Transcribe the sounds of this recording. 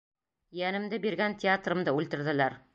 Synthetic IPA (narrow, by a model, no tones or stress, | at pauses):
jænɘ̆md̪ɘbiɾɡænt̪ʲɪat̪rɤ̆md̪ɤʉlt̪ɘ̆ɾðɘ̆læɾ